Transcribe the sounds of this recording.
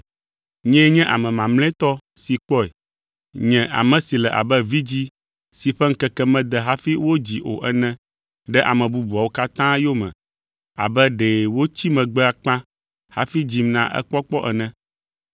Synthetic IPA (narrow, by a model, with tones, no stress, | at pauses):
ɲɛ̃˦ɲɛ̃˦ʔa̰˨mɛ̃˨mã˨ml̃ɛ̃˦t̪ɔ˦si˨k͡pɔ˦e˨ | ɲɛ̃˨ʔa̰˨mɛ̃˨si˨lɛ˨ʔa̰˨bɛ˦vi˦d͡ʑi˦ | si˨ɸɛ˦ŋ̩˦kɛ˨kɛ˦mɛ̃˦d̪ɛ˨ɦa˦fi˦wo˦d͡ʑi˨ʔo̰˨ʔɛ˨nɛ̃˦ | ɖɛ˦ʔa̰˨mɛ̃˨bu˦bu˨a˨wo˦ka˦t̪ã˦jo˦mɛ̰̃˨ | a̰˨bɛ˦ɖe˨wo˦t͡ɕi˦mɛ̃˨ɡ͡bɛ˦a˨k͡pã˦ | ha̰˦fi˦d͡ʑi˦mnã̰˨ʔɛ̰˦k͡pɔ˦k͡pɔ˦ʔɛ˨nɛ̃˦